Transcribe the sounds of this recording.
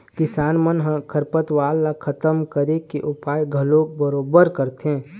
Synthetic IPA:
kɪsaːnmənɦə̃kʰəɾpət̪waːlːakʰət̪əmkəɾekeʔʊpaːjɡʱəlõːk̚bəɾoːbəɾkəɾt̪ɦẽː

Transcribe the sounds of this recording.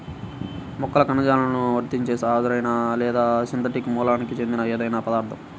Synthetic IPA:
mɔkːɐlɐkɐnːɐd͡ʒaːlɐnuʋɐɾt̪iɲt͡ʃeːsaːd̪uɾɐjnaːlɛːd̪aːt͡ʃint̪̬ɐʈikimuːlaːnikit͡ʃe̞nd̪inɐeːd̪ɐjnaːpɐd̪aːɾt̪ʰɐm

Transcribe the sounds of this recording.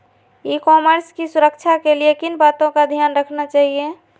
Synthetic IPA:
ikɔməɾskisuɾək̚t͡ʃʰakeliekinbat̪õkad̪ʱijaːnɾəkʰnat͡ʃaːɦie

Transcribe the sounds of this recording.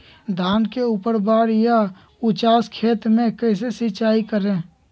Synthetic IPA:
d̪ʱaːnkeupəɾbaːɾja | ʊt͡ʃaːskʰeːt̪mẽkəɪs̬esɪt͡ʃaːikəɾẽː

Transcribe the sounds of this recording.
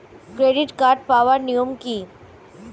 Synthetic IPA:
kɾeːɖɪʈkaːɾʈ̚paːʋəɾnijomkiː

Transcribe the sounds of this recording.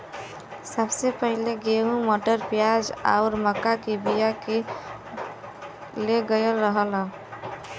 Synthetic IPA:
səbsepəɦileɡeɦũmoʈəɾpjad͡ʒa̰ʊɾməkːakebijake | leɡəjəlɾəɦələ̃

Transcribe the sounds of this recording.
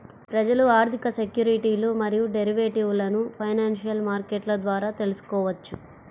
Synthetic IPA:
pɾɐd͡ʒɐluaːɾt̪ʰikɐsekjuːɾiʈiːlumɐɾijuɖeɾiʋeːʈiʋlɐnupʰɐjnaːnʂijɐlmaːɾkeʈlɐd̪ʋaːɾaːt̪e̞lusu̥kɔːʋɐt͡ʃːu

